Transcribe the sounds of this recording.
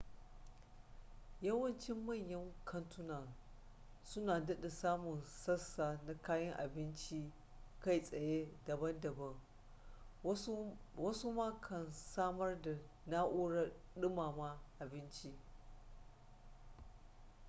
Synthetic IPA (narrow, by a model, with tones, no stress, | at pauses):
jɐ˦wɐ˦nt͡ʃɪ˦mːɐ˦˨ɲjɐ˦ŋkʰɐ˦ntʊ˦naː˨ | sʊ˦naː˨dɐ˦ɗa˨saː˦mʊ˨nsɐ˦sːaː˨na˦kaː˦jɐ˦ŋʔa̰˨bɪ˦nt͡ʃi˦ | ka˦˨jsʼɐ˨je˦dɐ˨bɐ˦ndɐ˨bɐ˦ŋ | wɐ˦su˦ma˦kʰɐ˨nsaː˦mɐ˦rda˨ | naː˦ʔu˦ɽɐ˦ɗɪ˦maː˨ma˦ʔa˨bɪ˦nt͡ʃi˦